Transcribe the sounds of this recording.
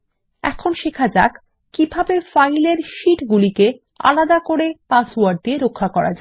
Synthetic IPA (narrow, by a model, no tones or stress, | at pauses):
ɛ̰kʰonʃekʰad͡ʑa̰k | kibʱabefajleɾʃiʈɡulike | a̰lad̪akoɾepasoaɾɖ̚d̪ieɾokʰːakɔɾa̰d͡ʑae